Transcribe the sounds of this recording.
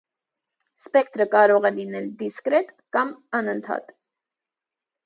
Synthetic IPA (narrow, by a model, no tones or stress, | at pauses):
spɛk̚ʰt̪ɾəkɑɾɔʁɛlinɛld̪iskɾɛt̪ | kɑmɑnənt̪ʰɑ̰t̪